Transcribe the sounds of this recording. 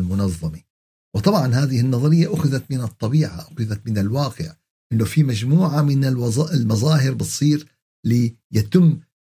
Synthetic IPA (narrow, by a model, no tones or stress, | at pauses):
lmʊnɑðˤːɑmi | wɨt̪ˤɑbʕɑnhaːðɪhɪnːɑðˤɑɾɪjːaʔʊxɪðat̪mɪnɨt̪ˤːɑbiːʕa̰ʔʊxɪðat̪mɪnɪlwaːqɪʕ | ʔɪnːofimad͡ʒmuːʕamɪnɪˤɪlmɑzˤɑːɦɪɾbɨt̪sˤiːɾ | li | jat̪ɪmː